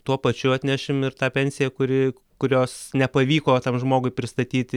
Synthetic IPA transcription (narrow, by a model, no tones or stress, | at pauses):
t̪uɔpɐt͡ʃʲʊɐt̪ʲnʲɛʃʲɪmɪrt̪ɑːpʲɛnʲsʲɪjɛkʊɾʲɪ | kʊɾʲoːsnʲɛpɐʋʲiːkoːt̪ɐmʒmoːɡʊɪpʲɾʲɪst̪ɐt̪ʲiːt̪ʲɪ